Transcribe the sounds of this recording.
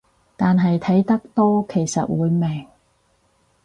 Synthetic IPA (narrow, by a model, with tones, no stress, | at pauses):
t̪aː˨nɦɐ˨jt̪ʰɐ˨˥jt̪ɐ˥k̚t̪ɔː˥kʰe˨˩jsɐ̰˨t̚wuː˨˧jme˨˩ŋ